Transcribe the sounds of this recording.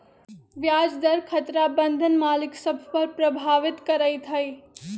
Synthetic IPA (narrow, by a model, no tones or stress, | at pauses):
ʋjaːd͡ʒd̪ɐɾkʰɐt̪ɾaːbə̃nd̪ʱənmaːlɪksɐbʱpɐɾpɾɐbʱaːʋɪt̪kɐɾəjt̪ʰɐj